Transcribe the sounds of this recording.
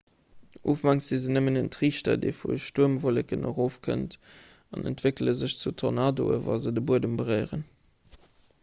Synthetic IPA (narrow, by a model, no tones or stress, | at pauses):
ʔuːfmɑŋz̥izənəmənəntʁiːʃtɐ̰dḛɪfṵəʃtuəmvolɛkənʔo̰ʁoːfkʰə̰nt | ɑnə̰ntv̥ekələzəɕt͡sutʰonɑːdo̰ə̰vɑ̰lzədəbuədəmbəʁɜɪʁən